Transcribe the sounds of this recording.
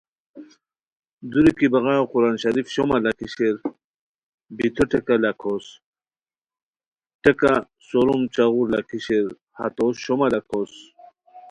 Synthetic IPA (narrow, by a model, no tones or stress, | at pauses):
d̪uɾikibɐɣaoquɾanɕaɾifɕomalakiɕeɾ | bit̪ʰoʈekalakʰos | ʈeka | soɾumt͡ɕaɣuɾlakʰiɕeɾ | ha̰t̪osɕomalakʰos